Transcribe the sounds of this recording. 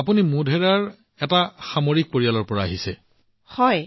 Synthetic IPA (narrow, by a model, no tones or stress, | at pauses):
apunimudʱɛɹaɹ | ɛtaxamoɹik̚poɹialɔɹpɔɹaaɦisɛ | hɔj